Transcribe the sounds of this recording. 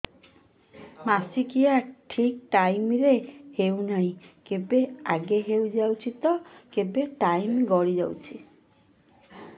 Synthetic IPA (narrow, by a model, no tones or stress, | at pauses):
masikijaʈʰik̚ʈajmɾehewnaɦĩkebea̰ɡeɦewd͡ʒawt͡ʃʰit̪ɔkebeʈajmɡɔɽid͡ʒa̰wt͡ʃʰi